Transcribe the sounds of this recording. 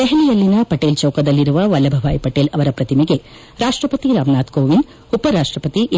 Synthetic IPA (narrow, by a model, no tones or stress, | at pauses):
eɦɐnijɐlːinɐpɐʈːeːlt͡ʃɐwkɐd̪ɐlːiɾuʋɐʋɐlːɐbʱɐʋaːjpɐʈːeːlɐʋɐɾɐpɾɐt̪imiɡe | ɾaːʂʈɾɐpɐt̪iɾaːmnaːt̪koːʋind̪ | upːɐɾaːʂʈrɐpɐt̪iʔ